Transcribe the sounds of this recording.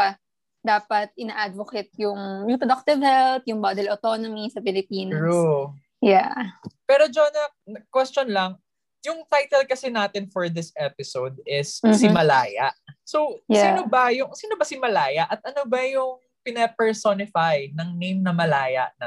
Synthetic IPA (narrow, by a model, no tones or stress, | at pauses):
a | d̪aːpɐt̪̚ʔɪnaːʔad̪voket̪̚jʊŋjʊpɾod̪ak̚t̪ɪvhɛlp̚jʊŋbad̪ɛlot̪onomisɐpɪlɪpiːnɹu | japɛːɾod͡ʒonɐ | nɐkwɛst͡ʃonlɐŋ | jʊŋt̪ajt̪ɛlkɐsɛnaːt̪ɪnfɔɹd̪ɪsʔɛpɪsowd̪̚ɪssɪmɐlaːjaʔsowsiːnobɐjʊŋsiːnobɐsɪmɐlaːjɐʔɐt̪̚ʔɐnobɐjʊŋ | pɪnɐpɛɹsonɪfajnɐŋnejmnɐmɐlaːjɐ̰ʔnɐ